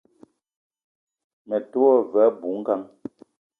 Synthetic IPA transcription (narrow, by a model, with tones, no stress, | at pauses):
mɛ˨tu˦ɔ˦vɛ˨˦bu˨˦ŋ̩˦ka˦ŋ